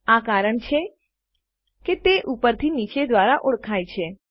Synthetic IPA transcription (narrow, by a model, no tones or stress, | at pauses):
akaɾəɳt͡ʃʰe | ket̪eʔupəɾt̪ʰinit͡ʃed̪ʋaɾaʔʊɽkʰajt͡ʃʰe